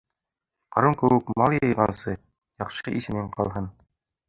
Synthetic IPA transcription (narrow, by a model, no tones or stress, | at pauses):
qɑɾɤmkɘ̆wɘkmmɑlˠjɤ̆jʁɑnsɤ | jɑqʃɤʔisɘ̆nɘɴqɑ̰lˠɦɤn